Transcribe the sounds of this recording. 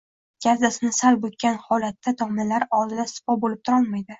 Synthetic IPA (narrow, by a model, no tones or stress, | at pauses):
ɡʲazasɪnɪsalbok̚ʲkʰʲːanhɒlat̪ːat̪ʰɒmnɪlaɾɒlˠd̪ɪd̪asɪ̥pɒbolɪp̚t̪ʰʊɾɒlˠmajd̪ɪ